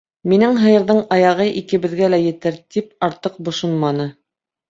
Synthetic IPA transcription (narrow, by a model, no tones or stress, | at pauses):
minɘŋɦɤ̆jɤ̆ɾðɤɴɑjɑʁɤʔikɘ̆βɘ̆ðɡælæjɘ̆t̪ɘɾt̪ip̚ɑɾt̪ɤq̚bŏʃonmɑnɤ